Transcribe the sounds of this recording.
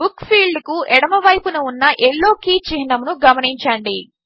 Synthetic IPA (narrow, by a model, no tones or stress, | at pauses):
bukpʰiːɭɖkuʔɛɽɐmɐʋɐjpunuunːɐʔeɭːo̞ːkiːt͡ʃiɦinɐmnuɡɐmɐniɲt͡ʃɐɳɖi